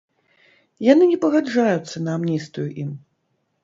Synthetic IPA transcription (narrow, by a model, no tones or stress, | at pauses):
janɨnʲɛpɐɣad͡ʐajut̪sːɐnɐːmnʲist̪vjuʔim